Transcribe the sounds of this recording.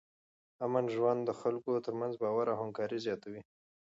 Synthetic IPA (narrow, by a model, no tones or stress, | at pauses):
amanʒwand̪d̪əxalkot̪əɾmanzbɑwaɾahamkɑɾizjɑt̪awi